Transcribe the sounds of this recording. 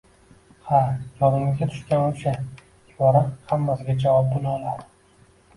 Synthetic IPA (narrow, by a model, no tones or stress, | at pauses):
hajɒnɪmɪɡʲat̪ʰʊ̥ʃkʲanʊʃa | ɪbɒɾahamːasɪɡʲad͡ʒavɒp̚bʊlɒlaɾ